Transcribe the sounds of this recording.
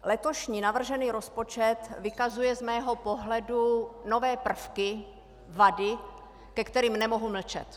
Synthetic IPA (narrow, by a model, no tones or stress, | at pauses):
lɛt̪o̞ʃɲiːnavr̩ʒɛniːɾo̞spo̞t͡ʃɛt̪vɪkazujɛzmɛːɦo̞po̞ɦlɛduno̞vɛːpr̩fkɪ | vadɪ | kɛkt̪ɛɾiːmnɛmo̞ɦuml̩t͡ʃɛ̰t̪